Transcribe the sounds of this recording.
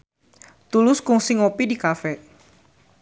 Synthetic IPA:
t̪ulʊskʊŋsɪŋopidikafɛ

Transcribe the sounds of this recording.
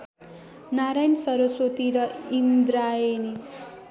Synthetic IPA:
naɾajnsʌɾosot̪iɾʌind̪ɾaeni

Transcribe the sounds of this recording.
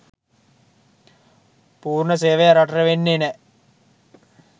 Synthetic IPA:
puːrɳəs̬eːʋɐjɐɾɐʈɐreʋenːene

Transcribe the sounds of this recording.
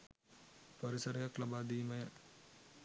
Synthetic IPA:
pɐɾisəɾejaklabaːd̪iːmɐjə

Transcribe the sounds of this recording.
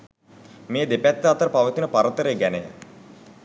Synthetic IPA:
mejəd̪epæt̪ːəat̪əɾəpaʋət̪unəpaɾət̪əɾeːɡænejə̰

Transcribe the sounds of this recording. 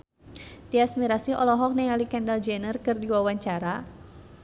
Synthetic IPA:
t̪iasmiɾasiʔɔlɔɦɔk̚nɛŋalikɛndald͡ʒɛnərkɨrdiwawaɲt͡ʃaɾa

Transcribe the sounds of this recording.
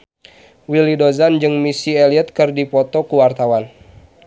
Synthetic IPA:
wilidozand͡ʒɨŋmisieliət̪̚kɨrdipɔt̪ɔkuwart̪awan

